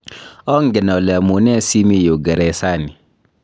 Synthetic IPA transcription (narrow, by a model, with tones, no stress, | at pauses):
ɔ˦ŋɡɛ˨nɔ˨lɛ˨a˨mu˨nɛ˦si˦mi˦˨jo˨ɡa˨ɾɛ˨sa˦˨ni˨